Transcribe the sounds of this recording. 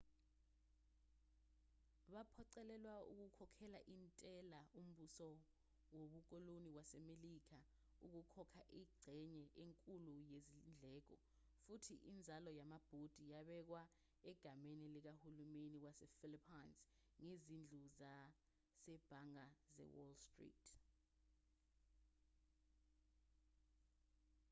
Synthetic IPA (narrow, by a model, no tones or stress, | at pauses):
ɓapʰɔǀɛlɛlwaṵk̬ukʰɔkʰɛlaʔintʼɛlaum̩ɓusɔ | woɓuk̬ɔlonikwasɛmelik̬ʰa | uk̬ukʰɔkʰaʔiɡ͡ǀʱɛɲɛʔeŋkʼulujezind͡ɮʱɛːk̬ɔ | futʰiʔind͡zʱalɔjamab̥ʱod̥ʱijaɓɛk̬wa | ɛɡ̥ʱamenilɛk̬ahulumenikwasɛfilipʰanzŋezind͡ɮʱuza | sɛb̥ʱaŋazɛ̰wɔ̰lstrḭːtʰʼ